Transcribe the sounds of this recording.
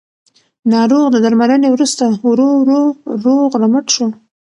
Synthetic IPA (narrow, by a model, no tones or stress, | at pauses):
nɑɾoɣd̪əd̪aɾmalənewɾust̪awɾoɾoɾoɣɾaməʈʃo